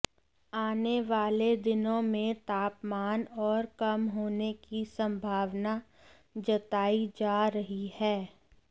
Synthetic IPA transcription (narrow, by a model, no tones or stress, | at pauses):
aːneʋaːled̪ɪnõmẽt̪aːpmaːnɔːɾkɐmɦoːnekisɐ̃mbʱaːʋna | d͡ʒɐt̪aːid͡ʒaːɾɐɦihɛː